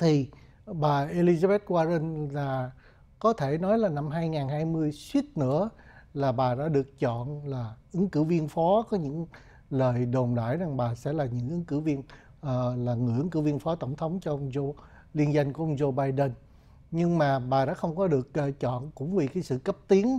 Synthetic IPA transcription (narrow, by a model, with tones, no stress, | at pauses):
t̪ʰi˨˩ | ɓaː˨˩ʔe˧li˧za˧ɓɛ˦˥t̚kwaː˧zə˧nlaː˨˩ | kɔ˨˦t̪ʰe˧˩nɔ˨˦jlaː˨˩na˧mɦaː˧jŋaː˨˩nɦaː˧jmɨ˧əjswi˦˥ət̚nɨ̰˧˥ə | laː˨˩ɓaː˨˩ɗa̰ː˧˥ɗɨ˨˩ək̚t͡ɕɔ̰˧˨nlaː˨˩ʔɨ˨˦ŋkɨ˧˩wvi˧ənfɔ˨˦kɔ˨˦ɲɨ̰˧˥ŋ | ləː˨˩jɗo˨˩nɗa̰ː˧˩˨jza˨˩ŋɓaː˨˩sɛ̰˧˥laː˨˩ɲɨ̰˧˥ŋʔɨ˨˦ŋkɨ˧˩vi˧ən | ʔːlaː˨˩ŋɨ˨˩ʔɨ˨˦nkɨ˧˩˦wvi˧ənfɔ˨˦t̪ə˧˩wŋ͡mt̪ʰə˨˦wŋ͡mt͡ɕɔ˧ʔə˧wŋ͡mzo˧ | li˧ənza˧jŋku˧˩əə˧wŋ͡mzo˧ɓaː˧jɗə˧n | ɲɨ˧ŋmaː˨˩ɓaː˨˩ɗa̰ː˧˥xə˧wŋ͡mkɔ˨˦ɗɨ˨˩ək̚ːt͡ɕɔ̰˧˨nkʊ̰˧˥ŋ͡mvi˨˩kaː˨˦jsɨ̰˧˨kə˦˥p̚t̪i˨˦ən